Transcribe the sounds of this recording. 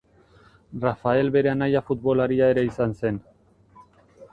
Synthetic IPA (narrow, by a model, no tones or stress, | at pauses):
rafae̞lβe̞ɾe̞anajafut̪̚βo̞laɾiae̞ɾe̞isanse̞n